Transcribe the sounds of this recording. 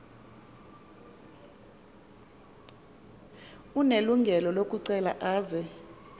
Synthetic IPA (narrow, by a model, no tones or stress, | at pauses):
uneluŋɡʱɛlɔlokʼuǀɛla̰ʔaːzɛ